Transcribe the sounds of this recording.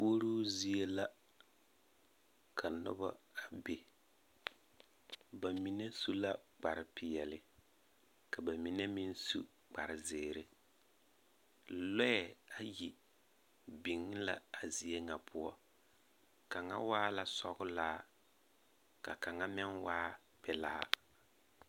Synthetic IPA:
poː˦ɾuː˦zi˦e˦la˦ | kʰa˨nʊ̰˦ba̰˦a˨be˨ | ba˨mi˦ne˦su˦la˦k͡pa˨ɾɪ˨pɪ˨jɛ˨lɪ˦ | ka˨ba˨mi˨˦ne˦mi˦n˦sṵ˦ | k͡pa̰˨ɾɪ˨zɪː˨ɾɪ˦˨ | lɔ˦jɛ˨a˦ji˨ | bi˨ŋ˦la̰˦a˨zi˨e˦ŋa˨pʰʊ˦ɔ˦ | ka˨ŋa̰˦waː˦la˨sɔ˦ɣʊ˦laː˦ | ka˨ka˨ŋa˦mɛ˦nwaː˦ | pɛ˨laː˦

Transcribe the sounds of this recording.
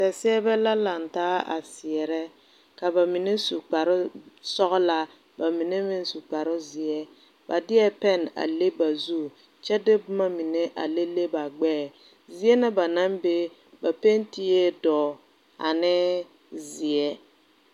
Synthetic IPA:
sɛ˨sɪ˦ɛ˦bɛ˦la˦la˨ntaː˦a̰˨sɪ˨ɛ˨ɾɛ˦ | ka˨ba˨mi˨ne˦su˨k͡pa˨ɾʊ˦sɔ˦ɣɔ˦la˦ | ba˨mi˨ne˦mɪ˦n˦su˨k͡pa˨ɾʊ˦zɪ˨ɛ˦ | ba˨dɪ˦ɛ˦pɛ˦˨na̰˨le˦ba˨zu˦ | t͡ʃɛ˦dɪ˦bʊ˦ma˦mi˨ne˦ʔa̰˨le˦le˦ba˨ɡ͡bɛː˦˨ | zi˨ɛ˦na˦ba˨na˦mbe˦ | ba˨pe˦nti˦ɛ˦dɔː˨ | a̰˨nɪ˦ | zɪ˨ɛ˦

